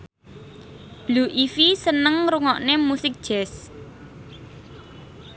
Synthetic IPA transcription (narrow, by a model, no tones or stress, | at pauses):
b̥luʔifisənəŋɾuŋɔʔnemusɪk̚d̥ʒ̥ɛs